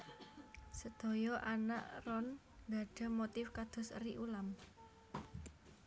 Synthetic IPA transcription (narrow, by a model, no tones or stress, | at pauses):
səd̪̥o̤jɔʔana̰ʔrɔn | d̪a̤ɖ̥a̤mot̪ɪfkad̪̥ʊ̤sriʔulam